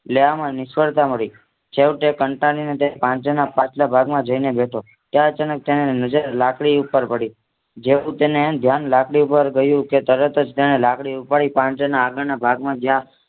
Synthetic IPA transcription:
leʋamãnɪsfəɽt̪aməɭi | t͡ʃʰeʋʈekəɳʈalinet̪epãt͡ʃanapãt͡ʃʰlabʱaɡmãd͡ʒəinebeʈʰo | t̪jaət͡ʃanək̚t̪enenəd͡ʒəɾlakɽiupːəɾpəɽi | d͡ʒeũt̪enemd̪ʱjanlakɽiupəɾɡəjũket̪əɾət̪əd͡ʒt̪eñelakɽiupaɽipãnt͡ʃənaːɡəɭnabʱaɡmãd͡ʒjã

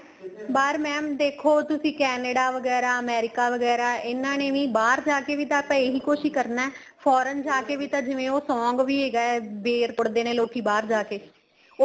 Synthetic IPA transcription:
baːɾmɛ̃ːmd̪eːkʰoːt̪ʊsĩːkɛːnəɖaːʋəɡɛːɾaːəmɛːɾɪkaːʋəɡɛːɾaːɪnːãːnẽːʋĩːbaːɾd͡ʒaːkeːʋiːt̪ãːpɛːeːɦiːkoːʃiːkəɾnaːpʰɔːɾənd͡ʒaːkeːʋiːt̪ãːd͡ʒɪʋẽːoːsɔ̃ːŋɡʋiːeːɡaːɛːbeːɾpʊɽd̪eːnẽːloːkiːbaːɾd͡ʒaːkeː | oː

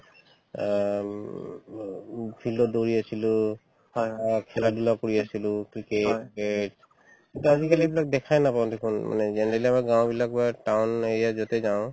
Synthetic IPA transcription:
pʰildɔdoɹiasilʊ | jkʰɛladulakoɹiasilʊkɹiketet | kintuazikaliebilak̚dɛkʰajnapaw̃dekʰunma̰nɛzɛnɛɹaliamaɡãw̃bilak̚batawnejazɔtezaʊ̃

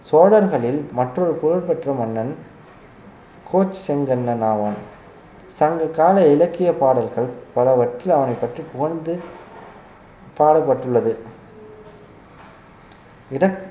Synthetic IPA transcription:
soːɽɐɾɣɐɭɪlmɐʈrɔɾɯpʊɻɐɾpɛʈrɐmɐnːɐn | kʰoːt͡ʃːsɛŋɡɐnːɐnaːʋaːn | sɐŋɡɐkaːlɐɪlɐkːɪjɐpaːɽɐlɣɐɭpɐlɐʋɐʈrːɪlɐʋɐnɐɪpːɐʈripʊɣɐnd̪ɯ | paːɽɐpːɐʈːɯɭːɐðɯ | ɪɽɐ

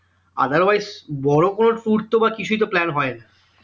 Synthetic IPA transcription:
a̰d̪aɾwajzbɔɽokonoɾuɖt̪obakit͡ɕʰuit̪oplɛnɦɔena

